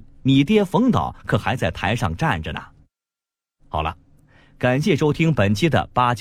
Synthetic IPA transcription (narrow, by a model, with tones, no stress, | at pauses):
ni˨˩t̪jɛ˥fɤ˧˥ŋt̪ɑ̰˨˦ʊkʰɤ˨˩xa˧˥ɪt͡sa˥˩ɪt̪ʰa˧˥ɪʂɑ̰˥˧ŋʈ͡ʂa˥˩nʈ͡ʂə˩nə̰˩ | xɑ˨˩ʊlə̰˦ | ka˨˩nɕjɛ˥˩ʂo˥ʊt̪ʰi˥ŋpə˨˩nt͡ɕʰi˥d̪ə̰˨pa˥t͡ɕ